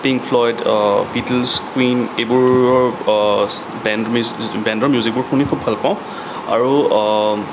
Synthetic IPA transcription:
piŋkfʰlɔjdbitlskwinebuɹɔɹ | bɛnmbɛ̃ndɔɹmjuzik̚bʊɹkʰunikʰubʱalpãʊ̃ | a̰ɹu

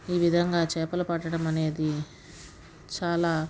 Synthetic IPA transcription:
iːʋid̪ʱɐŋɡaːt͡ʃɛːpɐlɐpɐʈːɐɽɐmɐne̞ːd̪i | t͡ʃaːlaː

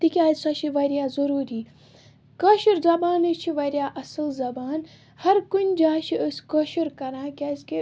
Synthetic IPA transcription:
t̪ikʲiaːsɐʃiʋɐɾʲjaːzɐɾuːɾiː | kəʃiɾzɐbaːnɐt͡ʃʰiʋɐɾjaːʔɐsɨlzɐbaːn | hɐɾkunʲd͡ʒaːʃiəsʲkəʃiɾkɐɾãːkʲaːzʲkʲe

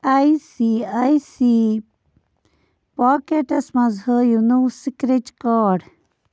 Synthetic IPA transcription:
aisiajsiː | paːkeʈɐsmɐ̃zhəjunuwsikɾet͡ʃkaːɖ

